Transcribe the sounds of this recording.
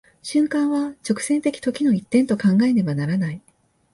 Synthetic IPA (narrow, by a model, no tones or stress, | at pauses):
ɕɨ̃ŋkãɰ̃βat͡ɕo̞kɯ̟̥sẽ̞nt̪e̞kʲi̥t̪o̞kʲino̞it̪ːẽ̞nt̪o̞kãŋɡae̞d̪e̞banaɾanai